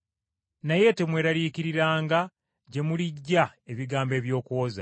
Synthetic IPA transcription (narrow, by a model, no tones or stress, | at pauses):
naje̞te̞mwe̞ːɾaliːkiɾiɾaːŋɡa | ɟe̞muliɟːaeβiɡaːmbe̞ːβjo̞ːkuoza̰